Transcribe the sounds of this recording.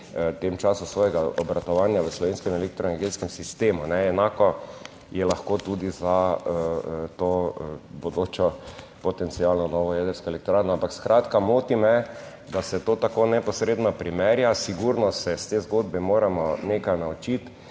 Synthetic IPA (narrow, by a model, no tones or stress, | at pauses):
t̪emt͡ʃaːsusʋɔːjɛɡaɔbɾat̪ɔʋaːnjaʋəslɔʋenskɛminɛlekt̪ɾɔenɛɾɡeːt̪skɛmsist̪eːmunɛɛnaːkɔ | jɛlaxkoːt̪ud̪iza | t̪oːbɔd̪oːt͡ʃɔ | pɔt̪ɛnt̪sijalnɔnɔʋɔjɛd̪əɾskɔɛlɛkt̪ɾaːɾnɔampakskɾaːt̪kamoːt̪imɛ | d̪asɛt̪oːt̪akoːnɛpɔsɾeːd̪nɔpɾimɛɾjasiɡuɾnɔsɛst̪eːzɡoːd̪bɛmoːɾamɔnekajnaut͡ʃit̪